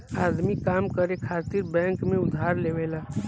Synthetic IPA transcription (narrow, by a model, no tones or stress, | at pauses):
aːd̪mikaːmkəɾekʰaːt̪iɾbɛ̃ːŋkmẽʊd̪ʱaːɾleʋela